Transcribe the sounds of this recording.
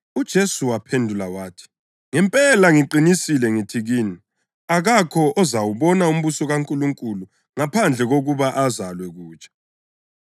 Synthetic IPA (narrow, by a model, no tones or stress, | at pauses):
ud̥ʒ̥ʱesuwapʰendʱulawaːtʰi̥ | ŋɛmpʼɛlaŋiǃinisilɛŋitʰiɣiːni | aɣakʰɔʔɔzawuβɔnaum̩βusɔɣaŋkʼuluŋkʼulu | ŋapʰand͡ɮʱɛɣoɣuβaʔazalwɛɣuːt͡ʃʼḁ